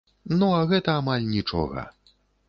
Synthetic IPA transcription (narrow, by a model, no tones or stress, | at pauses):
nuaɣɛt̪ɐamalʲnʲit͡ʂɔ̰ɣɐ̰